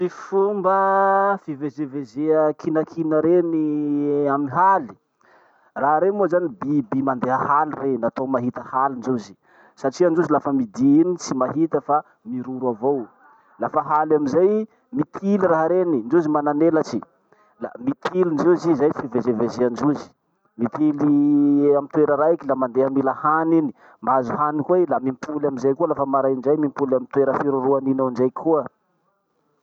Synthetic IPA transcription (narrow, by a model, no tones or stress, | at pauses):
fifumbəfivezevezeəkʰinakʰinəɾeniamiiɦali̥ | raɦaɾemuozanibibimand̪eɦəhalirenat̪omaɦit̪əhalinzezi | saʈ͡ʂianɖ͡ʐuzilafəmid̪init͡simaɦit̪əfa | miɾuɾuavow | lafəɦalamizaj | mit̪ʰiliraɦaɾenind͡ʒuzimananelat͡ʃi | la̰mit̪ʰilind͡ʒezizajfivezevezeand͡ʒuzi̥ | mit̪iliamit̪weɾəɾaikilamand̪eamilahanini̥ | maazuɦanikwelamimpʰulamizajkualafəmaɾajnd͡ʒajmimpulamint̪weɾəfiɾuɾuaninawɳd͡ʒajkʰuə